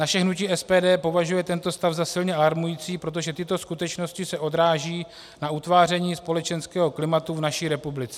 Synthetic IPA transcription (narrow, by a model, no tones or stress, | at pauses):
naʃɛɦnuciːʔɛspɛːdɛːpo̞vaʒujɛt̪ɛnt̪o̞st̪avzasɪlɲɛʔalaɾmujiːt͡siːpɾo̞t̪̬o̞ʒɛt̪ɪt̪o̞skut̪ɛt͡ʃno̞scɪsɛʔo̞d̪ɾaːʒiː | naʔut̪vaːr̝ɛɲiːspo̞lɛt͡ʃɛnskɛːɦo̞klɪmat̪uvnaʃiːɾɛpublɪt͡sɛ̥